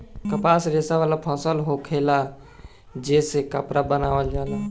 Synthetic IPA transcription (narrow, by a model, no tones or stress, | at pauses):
kəpaːsɾeːsaʋaːlapʰɔ̃ːsəlɦokʰeːla | d͡ʒeːsekəpɾabənaːʋəld͡ʒaːlaː